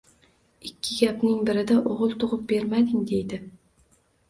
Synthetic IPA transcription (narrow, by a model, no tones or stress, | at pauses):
ɪkʲʰːɪɡʲapnɪŋbɪɾɪd̪aʔoʁʊlˠt̪ʰʊʁʊp̚be̞ɾmad̪ɪŋd̪e̞jd̪ɪ